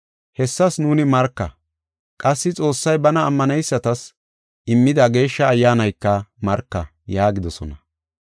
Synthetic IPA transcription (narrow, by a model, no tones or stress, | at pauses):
hɛsːɐsnuːnɪmɐɾkːɐ̰ | kʼɐsːɪt͡sʼo̞ːsːɐjbɐnɐːmːɐnɛjsːɐt̪ɐs | ʔɪmːɪd̪ɐɡe̞ːʃːɐːjːaːnɐjkːɐmɐɾkːɐ | jaːɡɪd̪ɔsɔnɐ